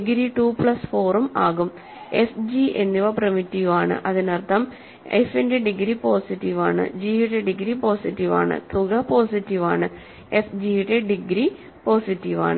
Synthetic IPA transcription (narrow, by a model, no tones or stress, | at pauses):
ɡɾiʈuːpɭɐsfo̞ːrumaːɣum | esd͡ʑiʔenːiʋɐprɐmitːiʋaːɳɨ̰ʔɐðinɐrt̪ːɐm | efendeɖiɡɾipoːsiʈːiʋa̰ːɳɨ̰d͡ʑijiʈːeɖiɡɾipo̞ːsitːiʋa̰ːɳɨ̰t̪ʰuɣɐpo̞ːsitːiʋa̰ːɳɨ | efd͡ʑijiʈːeɖiɡɾi | po̞ːsitːiʋa̰ːɳɨ